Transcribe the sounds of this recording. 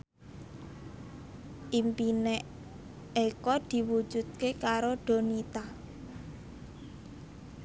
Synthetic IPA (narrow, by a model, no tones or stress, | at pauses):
ʔimpinɛʔ | ekɔd̪̥i̤wu̥d͡ʒ̥ṳd̪̚kekaɾoɖ̪̥o̤nit̪a